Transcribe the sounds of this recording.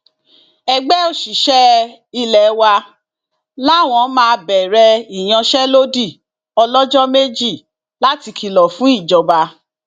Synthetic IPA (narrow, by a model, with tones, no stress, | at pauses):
ɛ˧ɡ͡bɛ˦o˦ʃi˨ʃɛ˦ | i˧lɛ˨˦wa˧ | la˦˨w̃ɔ̃˧˦mãː˦˧bɛ˨ɾɛ˧i˨j̃ã˧ʃɛ˦lo˦di˦˨ | ɔ˧lɔ˦d͡ʒɔ˦me˦d͡ʒi˦˨ | la˦ti˧kʰi˧lɔ˨fũ˦i˦˨d͡ʒɔ˨ba˧